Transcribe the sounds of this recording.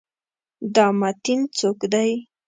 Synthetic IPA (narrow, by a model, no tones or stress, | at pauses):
d̪ɑmat̪int͡sokd̪aj